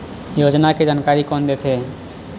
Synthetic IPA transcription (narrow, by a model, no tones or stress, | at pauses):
joːd͡ʒnaked͡ʒaːnkaːɾikɔːnd̪eːt̪ʰeː